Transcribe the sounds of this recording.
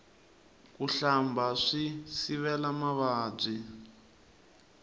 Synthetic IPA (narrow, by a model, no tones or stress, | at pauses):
kuɬambaʂisiβɛlamaβaːb͡ʐʷi